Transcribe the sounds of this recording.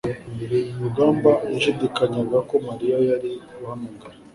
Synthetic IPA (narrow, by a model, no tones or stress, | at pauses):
iɾeijuɡaːmbajaʃudikaɲaɡako̞maɾijajaɾihanuŋɡaɾa